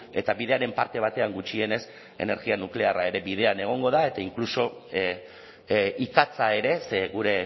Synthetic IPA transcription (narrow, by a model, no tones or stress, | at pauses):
e̞t̪aβið̞e̞aɾe̞mpaɾt̪e̞β̞at̪e̞aŋɡut͡ʃie̞ne̞s | e̞̰ne̞ɾɣianukle̞arae̞ɾe̞bið̞e̞ane̞ɣ̞o̞ŋɡo̞ðae̞t̪aiŋkluso̞ | ikat͡sae̞ɾe̞seɣuɾe̞